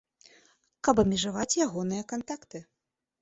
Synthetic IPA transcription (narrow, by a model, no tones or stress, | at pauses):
kɐpɐmʲɛʐavat͡sʲjaɣɔnɨjɐkant̪akt̪ɨ